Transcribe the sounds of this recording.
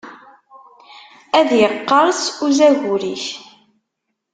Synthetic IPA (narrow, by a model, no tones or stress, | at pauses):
æðjəqːɑɾˤsuzæʝuɾiç